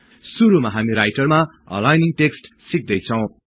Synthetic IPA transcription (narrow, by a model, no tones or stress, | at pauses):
suɾumaɦamiɾajʈʌrma | ʌ̰lajniŋʈeksʈsik̚d̪ʌjt͡sʰʌw̃